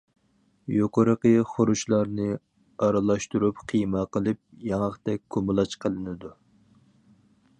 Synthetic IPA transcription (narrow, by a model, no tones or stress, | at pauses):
joqoɾəqəχoɾuʃlˠɑɾnɨ | ɑɾɨlˠɑʃt̪uɾupqʰijməqʰəlˠɨp̚jɑŋɑχt̪ɛk̚ʲkʰomɨlˠɑt͡ʃqʰəlˠɨnɨd̪u